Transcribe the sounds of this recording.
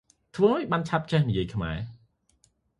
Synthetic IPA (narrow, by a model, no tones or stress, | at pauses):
t̪ʰʋəːɦaːjɓaːnt͡ɕʰap̚t͡ɕɛhnijiəjkʰma̰ɛ